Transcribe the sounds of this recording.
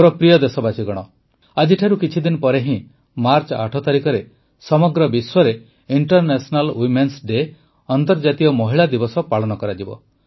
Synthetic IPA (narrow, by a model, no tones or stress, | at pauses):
ɾɔpɾijɔd̪esɔbat͡ʃiɡɔɽ̃ɔ | ad͡ʒiʈʰaɾukit͡ʃʰid̪inɔpɔɾeɦĩ | maɾt͡ʃɔa̰ʈʰɔt̪aɾikɔɾe | sɔmɔɡɾɔbiswɔɾe | iɳʈɔɾnesɔnalwimensɖe | ɔnt̪ɔɾd͡ʒat̪iɔmɔɦiɭad̪ibɔsɔpaɭɔnɔkɔɾad͡ʒibɔ̰